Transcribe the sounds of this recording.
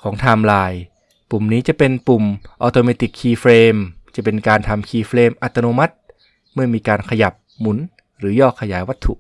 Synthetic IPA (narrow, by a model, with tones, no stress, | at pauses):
kʰɔː˩˦ŋt̪ʰaː˧mlaː˧j | pu˨˩mniː˦˥t͡ɕa˨˩ʔpe˧npu˨˩mʔɔː˧t̪oː˧meː˧t̪i˨˩kʰːiː˧fɾeː˧mt͡ɕa˨˩pe˧nkaː˧nt̪ʰa˧mkʰiː˧fɾeː˧mʔa˨˩t̪ːa˧noː˧ma˦˥t̪̚ | mɯ˥˩ɐmiː˧kaː˧nkʰa˧ja˨˩p̚ | mu˩˦n | ɾɯː˩˦jɔː˥˩kʰːa˧jaː˩˦jwa˦˥t̪ʰːṵ˨˩ʔ